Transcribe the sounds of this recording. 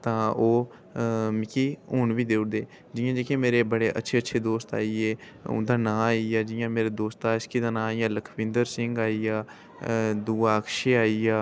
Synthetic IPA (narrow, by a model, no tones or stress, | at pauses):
t̪ãːoː | mɪkiːɦoːɳʋiːd̪eːʊɽd̪eː | d͡ʒɪjãːd͡ʒeːkẽːmeːɾeːbəɽeːʔə̰tːʃʰeːətːʃʰeːd̪oːst̪a̰ːiːeː | ʊ̰̃nd̪ãːnãːaːiaːd͡ʒɪjãːmeːɾeːd̪oːst̪aːɪskid̪ãːnãːijãːləkʰʋɪ̃nd̪əɾsɪŋɡaːiːaː | d̪uːaːkʃeːaːiaː